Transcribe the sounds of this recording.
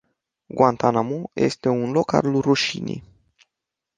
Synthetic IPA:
ɡwant̪anamoje̞̰st̪e̞unlo̞ka̰rluruʃinʲḭ

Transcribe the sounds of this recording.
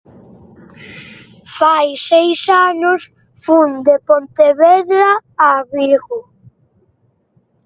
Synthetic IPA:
fajsejsanʊs | fund̪epont̪eβeðɾaaβiɣʊ

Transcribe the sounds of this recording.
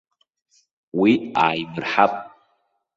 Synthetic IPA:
wiaːjbɨrħapʼ

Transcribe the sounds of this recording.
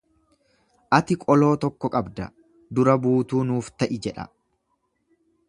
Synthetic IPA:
ʔɐt̪ɪkʼɔlo̞ːt̪ɔkːɔkʼɐbd̪ɐ | d̪ʊɾɐbuːt̪uːnuːft̪ɐʔɪd͡ʒɛᶑɐ̰

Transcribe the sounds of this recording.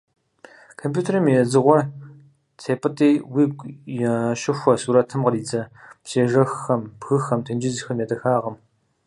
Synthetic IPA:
kʰompjuːtʰeɾɐmɛzɨʁʷɔ | tʰeːpʼɨtʼeːwiːb̚kʷʼjɛʃɪxʷɔsuːɾɐtʰɨmqɐriːd͡zɐpseːʒɐxxɐmbxɨxɐmtʰɨnd͡ʒɪzxɐmjɛdɐxaːʁɐm

